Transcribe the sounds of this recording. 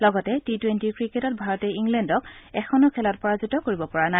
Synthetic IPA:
lɔɡɔtɛtitwentikɹiketɔt̚bʱaɹɔtɛiŋɡlɛndɔkɛxʰɔnʊkʰɛlɔt̚pɔɹazutɔkoɹibɔpɔɹana

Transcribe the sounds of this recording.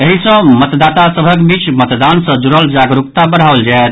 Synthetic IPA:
eɦisə̃mət̪d̪at̪asəbʱəkbit͡ʃmət̪d̪ansə̃d͡ʒuɾəld͡ʒaɡɾukt̪abəɽ̤ɦaold͡ʒaet̪

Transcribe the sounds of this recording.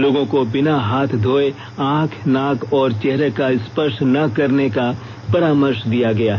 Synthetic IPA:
loːɡõkobɪnaɦaːt̪ʰd̪ʱoːe | ãːkʰnaːkʰɔːɾt͡ʃɛɦɾekaɪspəʃʈnɐkɐɾneka | pɐɾaːməɾʃd̪ijaɡɐjaːɦ

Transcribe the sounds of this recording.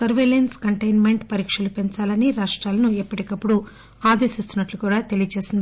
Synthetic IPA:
sɐɾʋeːlenskɐɳʈɐjnme̞ɳʈpɐɾiːkʂɐlupeɲt͡ʃaːlɐniɾaːʂʈɾaːlɐnuɛpːɐʈikɐpːuɽu | aːd̪eːsist̪unːɐʈlukuːɽaːt̪e̞lijɐt͡ʃe̞ːsind̪

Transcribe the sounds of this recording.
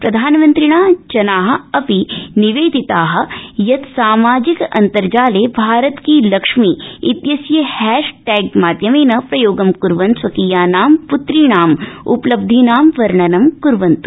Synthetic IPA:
pɾɐd̪ʱaːnmɐnt̪ɾiɳ̃aːt͡ʃɐnaːɦɐ̆ɐpiniʋeːd̪ʱit̪aːɦɐ̆jɐt̪saːmaːd͡ʒikɐ̰nt̪ɐɾd͡ʒaːleːbʱaːɾɐt̪kiːlɐkʂmiːit̪jɐsjɐhɛːʃʈɛːɡmaːd̪jɐmeːnɐpɾɐjoːɡɐmkuɾʋɐnsʋɐkiːjaːnaːmput̪ɾiɳaːmṵplɐb̚d̪ʱinaːmʋɐɾɳɐnɐmkuɾʋɐnt̪u̥

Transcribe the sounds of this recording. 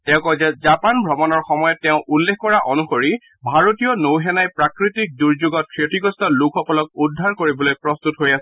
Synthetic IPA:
tɛʊ̃kɔzɛzapanbʱɹɔmɔnɔɹxɔmɔjɔtːɛʊ̃ʔulːexkɔɹaʔonuxoɹi | bʱaɹotijɔnowɦɛnajpɹakɹitik̚duɹzuɡɔt̚kʰɹetiɡɔstɔlukʰɔkɔlɔk̚udʱːaɹkoɹibɔlojpɹɔst̪utɦojasɛ

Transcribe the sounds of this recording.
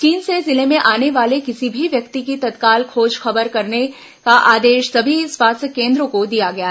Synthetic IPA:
t͡ʃiːnsezɪlemẽʔaːneʋaːlekɪsibʱiʋjɐkt̪ikit̪ɐt̪kaːlkʰoːd͡ʒxɐbəɾkɐɾne | kaʔaːd̪eːʃsɐbʱiswaːst̪ʰəkːẽːnd̪ɾõkod̪ijaɡɐja

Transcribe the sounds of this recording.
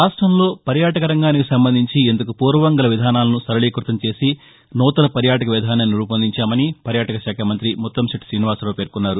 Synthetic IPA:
ɾaːsʈɾɐmlo̞ːpɐɾjaːʈɐkɐɾɐŋɡaːnikisɐmbɐnd̪ʱiɲt͡ʃiend̪ɐkupuːɾʋɐʋɐŋɡɐlɐʋid̪ʱaːnaːlɐnusɐɾɐleːkɾut̪ɐmt͡ʃe̞ːsi | nɔːt̪ɐlɐpɐɾjaːʈɐkɐʋid̪ʱaːnɐnːiɾupɐnd̪ʱiɲt͡ʃaːmɐnipɐɾjaːʈɐkɐʃaːkʰɐmɐnt̪ɾimɔt̪ːɐmsɐʈsɾiːniʋaːslo̞ːpeːɾkunːaːɾu

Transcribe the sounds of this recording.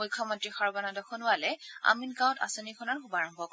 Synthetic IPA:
ojkʰːɔmɔntɹixaɹbanadɔxʰɔnʊwalɛa̰minkãw̃ta̰sɔnikʰɔnɔɹkʰubaɹɔmbʱɔk

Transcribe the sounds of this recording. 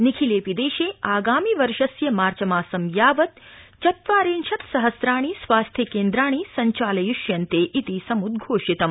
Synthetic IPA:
nikʰileːpid̪eːʃeːaːɡaːmiʋɐɾʃɐsjɐmaːɾt͡ʃɐmaːsɐmjaːʋɐt̪̚ | t͡ʃɐt̪ʋaːɾeːnʃɐt̪sɐɦɐsɾaːɳ̃isʋaːst̪ʰjɐkeːnd̪ɾaːɽ̃iːsɐɲt͡ʃaːlɐjuʃjɐnt̪eːʔit̪isɐmud̪ɡʱoːʃit̪ɐm

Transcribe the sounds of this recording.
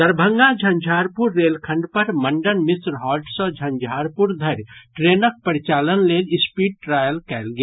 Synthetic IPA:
d̪əɾbʱə̃ŋɡad͡ʒʱənd͡ʒʱaɾpuɾːelkʰə̃ɳɖpəɾməɳɖənmisɾɦɔːlʈsə̃d͡ʒʱənd͡ʒʱaːɾpuɾd̪ʱəɾʈɾenək̚pəɾit͡ʃaːlənlelɪspiɖ̚ʈɾajəlkɛlɡea

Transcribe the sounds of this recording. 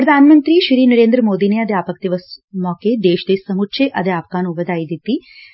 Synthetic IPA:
pɾɐd̪ʱaːnmɐnt̪ɾiːʃɾiːnɐɾeːnd̪ɾəmoːd̪ineɐd̪aːpɐk̚d̪iʋɐsmɔːked̪eːʃd̪eːsɐmutʃʰeʔɐd̪eaːp̚kaːnuʋɐd̪aːid̪it̪ːi

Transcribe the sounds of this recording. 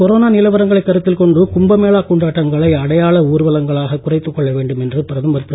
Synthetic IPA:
kɔɾoːnaːnɪlɐʋɐɾɐŋɡɐɭɐɪkːɐɾɯt̪ːɪlkɔɳɖɯkʊmbɐmeːɭaːkuɳɖaːʈːɐŋɡɐɭɐɪɐɽɐjaːɭɐuːɾɯʋɐlɐŋɡɐɭaːɣɐkʊrɐɪt̪ːɯkːɔɭːɐʋeːɳɖɯmɛndrɯpɪɾɐðɯmʋɐɾpː

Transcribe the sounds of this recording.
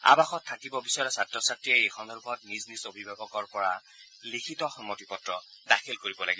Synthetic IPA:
a̰baxɔtʰːakibɔbisaɹɛsatːɹɔsatɹiɛejxʰɔndʱɔɹukʰɔtniznisobʱibʱaɡɔkɔɹpɔɹa | likʰitɔxɔmːɔtipɔtɹɔdaxʰilkoɹibɔlaɡibɔ

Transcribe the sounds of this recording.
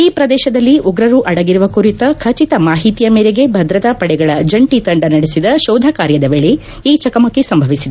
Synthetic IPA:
iːpɾɐd̪ɛːʃɐd̪ɐlːiʔuɡɾɐɾuʔɐɽɐɡiɾuʋɐkuɾit̪ɐkʰɐt͡ʃit̪ɐmaːɦit̪ijɐmeːɾeɡe̞bʱɐd̪ɾɐt̪apɐɽɛɡɐɭɐd͡ʒɐɳʈit̪ɐɳɖɐnɐɽesid̪ɐʃɔːd̪ʱɐkaːɾjɐd̪ɐʋeɭe | iːt͡ʃɐkɐmɐkːesɐmbʱɐʋisid̪e

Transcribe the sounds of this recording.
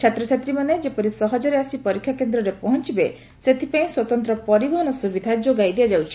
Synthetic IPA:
t͡ʃʰat̪ɾɔt͡ʃʰat̪ɾimaned͡ʒepɔɾisɔɦɔd͡ʒɔɾeasipɔɾikʰjakend̪ɾɔɾepɔɦɔnt͡ʃibe | set̪ʰipaĩswɔt̪ɔnt̪ɾɔpɔɾibɔɦɔnɔsubid̪ʱad͡ʒoɡajd̪iad͡ʒawt͡ʃʰi̥

